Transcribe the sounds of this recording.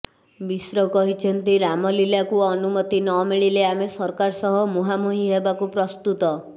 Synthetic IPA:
bisɾɔkɔɦit͡ʃʰɔnt̪iɾamɔlilakuɔnumɔt̪inɔmiɭileamesɔɾkaɾsɔɦɔmuɦamuɦiɦebakupɾɔst̪ut̪ɔ

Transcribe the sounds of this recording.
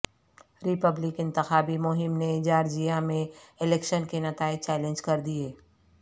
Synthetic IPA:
ɾɪpəblɪkɪ̃nt̪ɪxaːbimʊɦɪmned͡ʒaːɾd͡ʒijamẽɪlɛːkʃənkenɐt̪aːɪd̪̚t͡ʃɛːlẽnd͡ʒkɐɾd̪ieː

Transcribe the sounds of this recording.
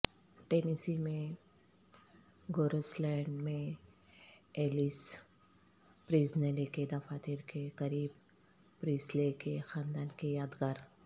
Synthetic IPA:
ʈeːnisimẽ | ɡoːɾəslɛ̃ːɳɖmẽ | eːlis | pɾiːzneliked̪ɐfaːt̪iɾkekɐɾiːb | pɾiːslekexaːnd̪aːnkejaːd̪ɡaːɾ

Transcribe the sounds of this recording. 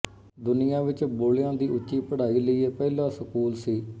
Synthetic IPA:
d̪ʊnɪjãːʋɪt͡ʃboːljãːd̪iːʊt͡ʃːiːpəɽaːiːləiːeːpɛːlãːsəkuːlsiː

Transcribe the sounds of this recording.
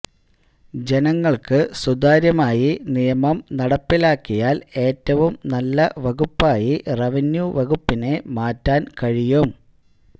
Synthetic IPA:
d͡ʑe̞nɐŋːɐɭkɨsud̪aːɾjɐmaːjinijɐmɐmnɐɽɐpːilaːkːijaːle̞ːtːɐʋumnɐlːɐʋɐɣupːaːjirɐʋɐnjuʋɐɣupːine̞maːtːaːnkɐɻijum

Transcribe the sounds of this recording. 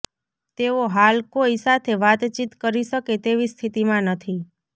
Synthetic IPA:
t̪eoɦalkoisat̪ʰeʋat̪t͡ʃit̪kəɾiʃəket̪eʋist̪ʰit̪imãnət̪ʰi

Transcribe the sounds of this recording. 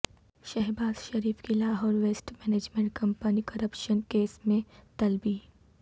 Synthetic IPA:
ʃɛɦbaːz̥ʃɐɾiːfkilaːɦɔːɾʋeːsʈmɛːneːd͡ʒmẽɳʈ̚kɐ̃mpənikɐɾəpʃənkeːsmẽt̪ɐlbiː

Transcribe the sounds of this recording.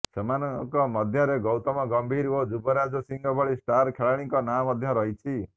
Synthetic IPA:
semanɔkɔmɔd̪ʱjɔɾeɡɔwt̪ɔmɔɡɔmbʱiɾod͡ʒubɔɾad͡ʒɔsiŋɡɔbʱɔɭisʈaɾkʰeɭaɽ̃iŋkɔnamɔd̪ʱjɔɾɔɦit͡ʃʰi

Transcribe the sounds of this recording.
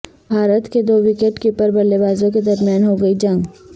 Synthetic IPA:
bʱaːɾət̪ked̪oːʋɪkeʈkipəɾbɐlːebaːzõked̪ɐɾmjaːnɦoɡɐid͡ʒɐ̃ŋɡ

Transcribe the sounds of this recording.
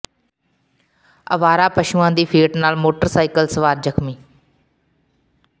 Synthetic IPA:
ə̰ʋaːɾaːpəʃuːãːd̪iːpʰiːʈnaːlmoːʈəɾsaːɪkəlsəʋaːɾd͡ʒəkʰmiː

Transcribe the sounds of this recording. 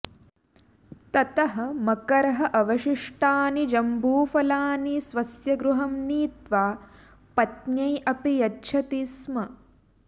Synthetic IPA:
t̪ɐt̪ɐɦɐ̆mɐkɐɾɐɦɐʔɐʋɐʃiʂʈaːnid͡ʒɐmbuːfɐlaːnisʋɐsjɐɡɾuɦɐmniːt̪ʋaː | pɐt̪ɲɐjʔɐpijɐdʃʰɐt̪ismɐ

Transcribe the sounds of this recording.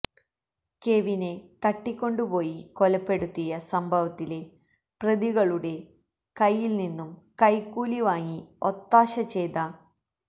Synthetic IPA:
ke̞ːʋine̞t̪ɐʈːikʲːo̞ɳɖupo̞ːjiko̞lɐpːe̞ɽut̪ːijɐsɐmbʱɐʋɐt̪ːile̞ | prɐðiɣɐɭuɽe̞ | kɐjːilninːumkɐjkːuːliʋaːŋio̞t̪ːaːɕɐt͡ɕe̞jt̪a

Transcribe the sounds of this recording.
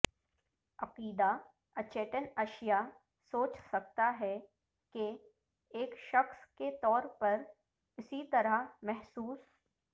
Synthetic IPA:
ɐqiːd̪a | ɐt͡ʃeːʈənɐʃija | soːt͡ʃsɐk̚t̪aɦɛ | ke | eːkʃɐxsket̪ɔːɾpɐɾ | ɪsit̪ɐɾəɦmɛɦsuːs

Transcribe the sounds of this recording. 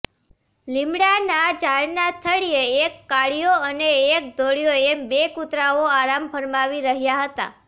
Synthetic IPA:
lɪmɽanad͡ʒaɭnat̪ʰəɽijeːkːaɭijoəneːk̚d̪oɽijoebekut̪ɾaoaɾampʰəɾmaʋiɾəɦjaɦət̪a̰

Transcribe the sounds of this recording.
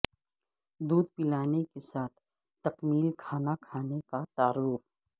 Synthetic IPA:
d̪uːd̪̚pɪlaːnekesaːt̪ʰː | ɐqmiːlkʰaːnakʰaːnekat̪aːɾuːf

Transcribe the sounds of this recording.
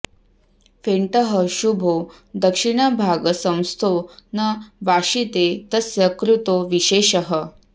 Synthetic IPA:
feɳʈəɦəɕubʱo | d̪əkʂiɳ̃əbʱaɡəsə̃w̃st̪ʰonəʋaʂit̪et̪əsjəkɾut̪oʋiɕeɕəɦə

